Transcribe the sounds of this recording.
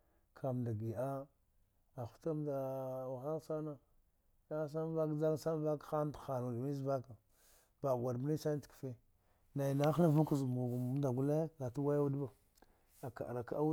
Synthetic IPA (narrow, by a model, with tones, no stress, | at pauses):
kʰa˨m˨da˨ɡi˨a˦ | a˨xu̥˦ta˦mda˨wa˨xa˦lsa˦na˦ | ja˦s̬a˦m˦va˦kd͡ʒa˦ŋ˦sa˦m˦va˦kxa˦txa˨nu˨da˨mi˦zba˦ka˨ | b̥a˨ɡʷa˨ɾm˦ni˦sa˦n˦tki̥˨fe˦ | na˨i˨na˦xa˦vu˦ku˦zmu˨ɡu˨˦da˨ɡu˦la˦ɡa˨tu˦wa˦ja˦u˦dba˨ | a˨ka̰˨ʔɾa˨ka˦a˦